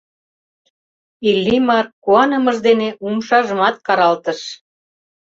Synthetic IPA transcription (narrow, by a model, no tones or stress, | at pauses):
ilʲːimɑrkuɑnəməʒd̪eneumʃɑʒəmɑt̪̚kɑɾɑlt̪əʃ